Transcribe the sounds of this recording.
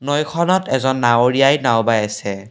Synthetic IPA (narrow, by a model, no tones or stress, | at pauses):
nɔjkʰɔnɔtɛzɔnːaoɹiajnawbajasɛ